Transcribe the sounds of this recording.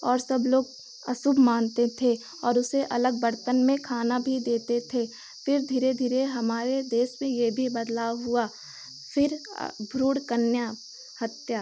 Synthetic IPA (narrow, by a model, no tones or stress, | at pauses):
ɔːɾsɐbloːɡ̚ | ɐ̰submãːnt̪et̪ʰe | ɔːɾʊseʔɐləɡ̚bɐɾt̪ənmẽkʰaːnabʱid̪eːt̪et̪ʰe | fɪɾd̪ʱiːɾed̪ʱiːɾeɦɐmaːɾed̪eːʃmẽjebʱibɐd̪laːʋɦʊa | fɪɾbʱɾuːɽkənja | hɐt̪jaː